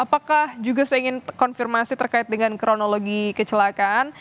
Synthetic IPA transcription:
apakahd͡ʒuɡasajiŋɪnkɔnfirmasit̪ərkaɪt̪̚dəŋankɾonoloɡikət͡ʃəlakan

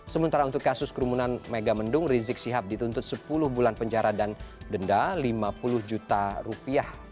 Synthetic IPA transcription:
səmunt̪aɾaunt̪ʊkːasʊskəɾumunanmeɡaməndʊŋrizɪk̚siɦap̚dit̪unt̪ʊt̪̚səpulʊhbulanpəɲd͡ʒaɾadandəndalimapulʊhd͡ʒut̪arupiah

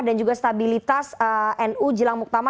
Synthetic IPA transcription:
dand͡ʒuɡast̪abilit̪asəʔɛnud͡ʒəlaŋmuk̚t̪ama

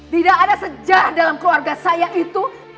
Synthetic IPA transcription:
t̪idakadasəd͡ʒahdalamkluarɡasajaʔit̪u

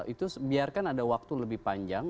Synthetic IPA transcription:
it̪ubiarkanadawak̚t̪uləbɪhpaɲd͡ʒaŋ

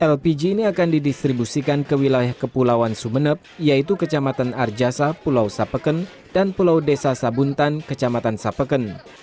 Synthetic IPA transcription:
ʔɛlpid͡ʒiːniakandidist̪ɾibusikankəwilajahkəpulawansumənəp̚jait̪̬ukət͡ʃamat̪anard͡ʒasapulawsapəkən | d̥anpulawdesasabunt̪ankət͡ʃamat̪ansapəkən

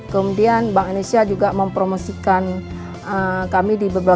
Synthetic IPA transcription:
kəmudianbaŋmanusiad͡ʒuɡaməmpɾomosikan | ʔəkamidibəba

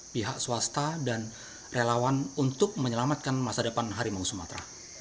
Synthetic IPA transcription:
piɦak̚suwast̪adan | relawanunt̪ʊk̚məɲəlamat̪̚kanmasadəpanɦaɾimaŋusumat̪ɾa

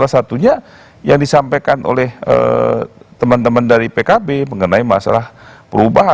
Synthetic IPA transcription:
alasat̪uɲa | jaŋdisampajkanʔo̰lɛhə̰ | t̪əmənt̪əməndaɾipekabeməŋənaima̰sa̰lahpəɾubaɦa

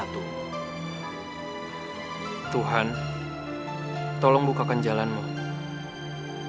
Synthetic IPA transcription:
t̪uɦan | t̪ɔlɔŋbukakand͡ʒalanmu

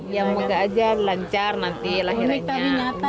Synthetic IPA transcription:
jaŋməɡaːd͡ʒalaɲt͡ʃarnant̪ilaɦiɾaɲaaiɲaa

